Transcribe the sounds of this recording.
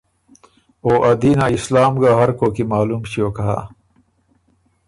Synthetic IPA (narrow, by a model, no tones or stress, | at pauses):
oːʔɐd̪inaislaːmɡaɦɐɾkokimaːlumɕioːkaɦa̰